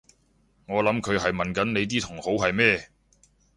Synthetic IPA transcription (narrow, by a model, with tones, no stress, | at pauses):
ŋɔː˨˧lɐ˨˥mkʰɵ˨˧ɥɦɐ˨jmɐ˨nkɐ˨˥nne˨˧jt̪̬iː˥t̪ʰʊ˨˩ŋho˨˥wɦɐ˨jmɛː˥